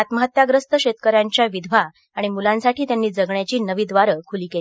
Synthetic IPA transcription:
at̪məɦət̪ːjaɡɾəst̪əɕet̪kəɾjaɲt͡ɕjaʋid̪ʱʋaː | ɽ̃imulãnsaʈʰiːt̪janːiːd͡zəɡɳjat͡ɕiːnəʋiːd̪ʋaɾəkʰuliːke

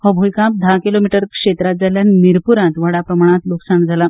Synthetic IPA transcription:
pəbʱujkãp̚d̪ʱakilomiʈəɾkʂet̪ɾat̪̚d͡zaljanmiɾpuɾãt̪ʋəɽapɾəmaɽ̃at̪luksaɳd͡zʱala

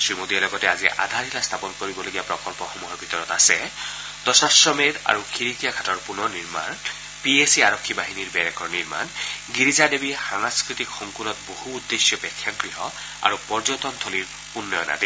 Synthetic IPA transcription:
sɹimodiɛlɔɡɔtɛaziʔa̰d̪ʱaɹɦilast̪ʰapɔnkoɹibɔloɡijapɹɔkɔlpɔxɔmuɦɔɹbʱitɔɹɔtasɛ | d̥ɔsasɹɔmeda̰ɹukʰiɹikijakʰatɔɹpunɔniɹma̰n | piesiaɹɔkʰːibaɦiniɹbɛɹɛkɔɹniɹma̰nɡiɹizadebixaŋaskɹit̪ikxɔŋkunɔtbohuːdːesjɔpɛkʰːat̚ɡɹiɦɔ | a̰ɹupɔɹzɔtɔnt̪ʰɔliɹ | punːɔjɔna̰di

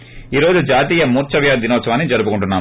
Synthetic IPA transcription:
iːɾoːd͡ʒud͡ʒaːt̪iːjɐmuːɾt͡ʃɐʋjaːd̪inɔːt̪sɐʋaːnːid͡ʒɐɾupukuɳʈunːaː

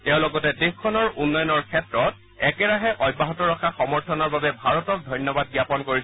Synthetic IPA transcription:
tɛʊ̃lɔɡɔtɛdixkʰːɔnɔɹunːɔjɔnɔɹkʰɛtɹɔt̚ | ɛkɛɹaɦɛʔɔjbːaɦɔtɔɹɔkʰaxɔmɔɹtʰɔnɔɹbabɛbʱaɹɔtɔk̚dʱɔjnjɔbad̚ɡijapɔnkoɹis

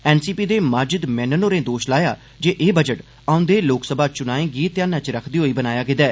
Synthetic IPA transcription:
ɛːnsiːpiːd̪eːməd͡ʒɪd̪mɛ̃ːnənoːɾẽːd̪oːʃlaːja̰ː | d͡ʒeːʔeːbəd͡ʒəʈ | aːʊ̃nd̪eːloːksəbaːt͡ʃʊnaːẽːɡiːt̪jaːnãːt͡ʃɾəkʰd̪iːɦoːiːbənaːjaːɡɪd̪ɛː

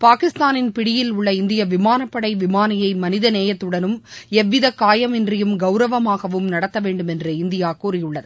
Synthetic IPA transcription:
paːkɪst̪aːnɪnpɪɽɪjɪlʊɭːɐɪnd̪ɪjɐʋɪmaːnɐpːɐɽɐɪʋɪmaːnɪjɐɪmɐnɪðɐneːjɐt̪ːɯɽɐnɯmɛʋːɪðɐkaːjɐmɪndrɪjɯmɡɐʊɾɐʋɐmaːɣɐʋɯmnɐɽɐt̪ːɐʋeːɳɖɯmɛndrɐɪnd̪ɪjaːkuːɾɪjʊɭːɐðɯ

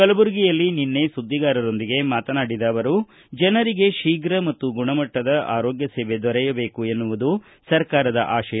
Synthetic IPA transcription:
kɐlɐbuɾɡijɐlːininːe̞sud̪ʱːiɡaːɾɐɾo̞nd̪iɡe̞maːt̪ɐnaːɽid̪aːʋɐɾu | d͡ʒɐnɐɾiɡe̞ʃiːɡɾɐmɐt̪ːuɡuɳɐmɐʈːɐd̪ɐʔa̰ːɾoːɡjɐseːʋe̞d̪ɔɾɛjɐbe̞ːkue̞nːuʋud̪u | sɐɾkaːɾɐd̪ɐ̰ʔaːʃɐjɐ

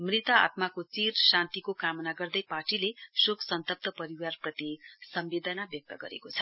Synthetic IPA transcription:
mrit̪ʌa̰t̪makot͡sirsant̪ikokamʌnaɡʌrd̪ʌjparʈilesoksʌnt̪ʌp̚t̪ʌpʌɾiwarprʌt̪isʌmbed̪ʱʌnabjʌk̚t̪ʌɡʌ̰ɾḛkot͡sʰʌ̥

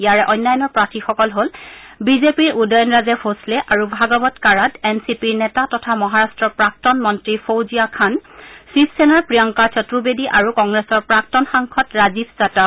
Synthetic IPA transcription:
ijaɹɛʔɔjnːajɔnɔɹpɹatixɔkɔlɦolbizepiɹudɔjɔnɹazɛfʰoslɛʔaɹubʱaɡɔbɔtkaɹadɛnsipiɹnɛtatɔtʰamɔɦaɹastɹɔpɹak̚tɔnmɔntɹifʰowzijakʰansipʰsɛnaɹpɹijɔŋkat͡ʃɔtɹubediʔaɹukɔŋɡɹesɔɹpɹak̚tɔnxaŋkʰɔtɹazibʰzata

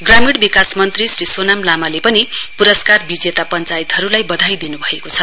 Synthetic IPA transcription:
ɡramiɽbikasmʌnt̪risrisonamlamalepʌnipuɾʌskarbid͡zet̪apʌnt͡sajt̪ɦʌɾulajbʌd̪ʱajd̪inubʱʌekot͡sʰʌ

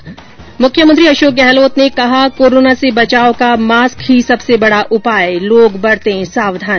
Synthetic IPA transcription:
mʊkʰjəmə̃nt̪ɾiɐʃoːk̚ɡɛɦloːt̪nekɐɦakoːɾoːnasebɐt͡ʃaːokamaːskɦisɐbsebɐɽaʔʊpaːeloːɡbɐɽt̪eɦɛ̃saːʋd̪ʱaːn

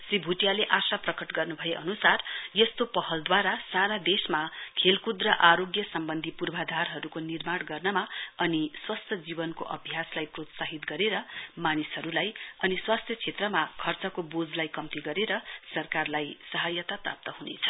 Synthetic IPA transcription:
sribʱuʈijaleʔasaprʌkʌʈɡʌrnubʱʌjeʔʌnusarjʌst̪opʌɦʌld̪waɾasaɾad̪esmakʰelkud̪rʌʔaɾoɡjʌsʌmbʌnd̪ʱipurbʱad̪ʱarɦʌɾukonirmaɽɡʌrnʌmaʌniswast̪ʰjʌd͡zibʌnkoʔʌbʱjaslajprot̪saɦit̪ɡʌɾeɾʌmanisɦʌɾulajʌniswast̪ʰjʌt͡sʰet̪rʌmakʰʌrt͡sʌkobod͡zlajkʌmt̪iɡʌɾeɾʌsʌrkarlajsʌɦajʌt̪apra̰p̚t̪ʌɦunḛt͡sʰʌ̥

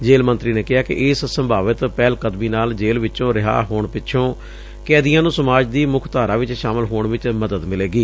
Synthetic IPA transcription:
d͡ʒeːlmənt̪ɾiːneːkɪɦaːkɪ̰ʔɪssəmbʱaːʋət̪pɛːlkəd̪miːnaːld͡ʒeːlʋɪt͡ʃõːɾɪɦa̰ːɦoːɳpɪtːʃʰõː | kɛːd̪ijãːnũːsəmaːd͡ʒd̪iːmʊkʰt̪aːɾaːʋɪt͡ʃʃaːməlɦoːɳʋɪt͡ʃməd̪əd̪mɪleːɡiː

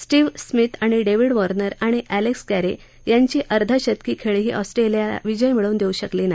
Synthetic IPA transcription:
sʈiːʋsmit̪ʰaɽ̃iɖeʋiɽʋɔɾnəɾaɽ̃iʔæleksɡæɾe | jaɲt͡ɕiːʔəɾd̪ʱəɕət̪̚kiːkʰeɭɦiːʔɔsʈɾelija̰ʋid͡ʑəjmiɭuːnd̪euɕəkliːnaɦi

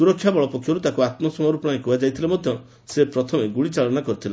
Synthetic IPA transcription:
suɾɔkʰːjabɔɭɔpɔkʰjɔɾut̪akuat̪mɔsɔmɔɾupɾ̃aikuad͡ʒajt̪ʰilamɔd̪ʱjɔ | sepɾɔt̪ʰɔmeɡuɭit͡ʃaɭɔnakɔɾit̪ʰila

